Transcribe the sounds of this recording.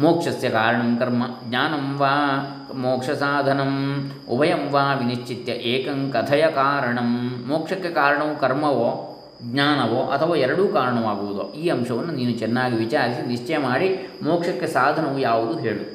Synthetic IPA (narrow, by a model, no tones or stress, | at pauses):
moːkʂɐsjɐkaːɾɐɳɐmkɐɾmɐɡɲaːnɐmʋaː | moːkʂɐsaːd̪ʱɐnɐm | ṵbʱɐjɐmʋaːʋiniʃt͡ʃit̪jɐʔeːkɐŋkɐt̪ʰɐjɐkaːɾɐɳɐmːoːkʂɐkːekaːɾɐɳɐʋukɐɾmɐʋoː | ɡɲaːnɐʋoːʔɐ̰t̪ʰɐʋaːɛɾɐɽuːkaːɾɐɳɐʋaːɡuʋud̪o̰ːiːɐmʃɐʋɐnːuniːnut͡ʃɛnːaːɡiʋit͡ʃaːɾisiniʂt͡ʃɐjɐmaːɽimoːkʂɐkːesaːd̪ʱɐnɐʋujaːʋud̪uɦeːɭu